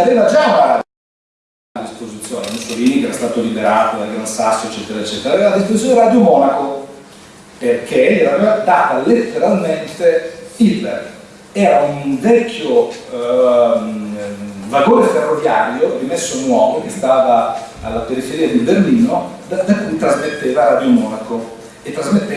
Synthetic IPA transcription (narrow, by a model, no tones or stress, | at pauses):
aveːvad͡ʒauna | d̪ispozit̪sjoːnemusoliːnikɛːɾast̪aːt̪olibeɾaːt̪od̪alɡɾansasːjoet͡ʃːɛːt̪eɾaet͡ʃːɛːt̪eɾaveːvalad̪ispozit̪oneɾad̪jomɔːnako | perkeɛɾavevad̪aːt̪alet̪ːeɾalment̪eil | ɛːɾaunvɛkʰːjo | vaɡoːɾeferːovjaːɾjorimesːonwɔːvok̟est̪aːvaa̰lːapeɾifeɾiːad̪iberliːnod̪ad̪akujt̪ɾazmet̪ːeːvaɾaːd̪jomɔːnako | et̪ːɾazmet̪ːe